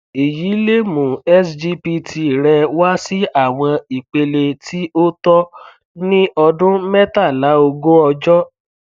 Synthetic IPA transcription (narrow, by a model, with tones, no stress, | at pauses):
e˨ji˨˦le˦mũ˨ɛ˦sd͡ʒi˦pi˧tʰi˧˨ɾɛ˧wa˦si˦a˦˨w̃ɔ̃˧i˨k͡pe˧le˧tʰi˦o˦tɔ˦ | nĩ˦ʔɔ˧dʊ̃˦mɛ˦ta˦˨la˨˦o˧ɡo˦ɔ˧d͡ʒɔ˦